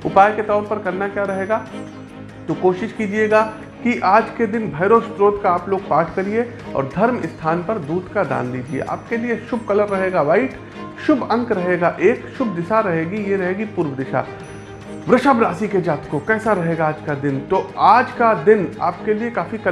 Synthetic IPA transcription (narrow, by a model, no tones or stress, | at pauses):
ʊpaːjket̪ɔːɾpɐɾkɐɾnakjaːɾɐɦeːɡaː | t̪okoːʃɪʃkiːd͡ʒieːɡaː | kiʔaːd͡ʒked̪ɪnbʱɐːɾost̪ɾoːt̪kaaːploːɡ̚paːʈʰkɐɾie | ɔ̰ːɾd̪ʱɐɾmɪ̰st̪ʰaːnpɐɾd̪uːd̪kad̪a̰ːnliːd͡ʒiḛʔa̰ːp̚kelieʃʊb̚ʱkɐləɾːɐɦeːɡaʋaːɪʈ | ʃʊbɐ̃ŋkɾɐɦeːɡaːʔeːkʃʊbʱd̪ɪʃaɾɐɦeːɡijeɾɐɦeːɡipʊːɾʋəd̪ɪʃa̰ː | ʋɾɪʃabɾaːsiked͡ʒaːt̪kokɛːsaɾɐɦeːɡaːd͡ʒkad̪ɪnt̪oaːd͡ʒkad̪ɪna̰ːp̚keliekaːfikɐ